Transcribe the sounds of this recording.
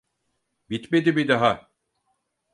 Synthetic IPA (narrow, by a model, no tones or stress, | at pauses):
bit̪med̪ibid̪aɦa